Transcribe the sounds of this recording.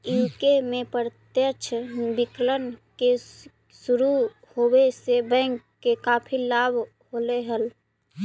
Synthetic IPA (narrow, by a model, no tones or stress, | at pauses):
ikemẽpəɾt̪jət͡ʃʰbɪklənke | sʊɾu | hoːwesebɛ̃ːŋkːekaːpʰilaːbʱ | ɦoleɦəl